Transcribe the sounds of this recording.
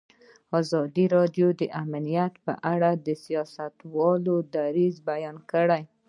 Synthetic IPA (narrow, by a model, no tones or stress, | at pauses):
ɑzɑd̪iɾɑɖjod̪əʔamlijat̪pə̰ʔaɽad̪əsijɑsat̪wɑlod̪aɾizbajɑnkəɽaj